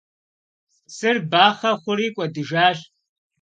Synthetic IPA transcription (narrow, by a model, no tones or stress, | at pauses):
sɨrbaːχɐχʷʊɾiːkʷʼɐdɨʒaːɕ